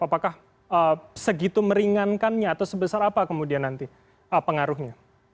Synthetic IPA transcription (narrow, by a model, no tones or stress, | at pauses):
apakah | əsəɡit̪uməɾiŋankanɲaːt̪awsəbəsaɾapakəmudianːant̪i | əpəŋaɾʊhɲa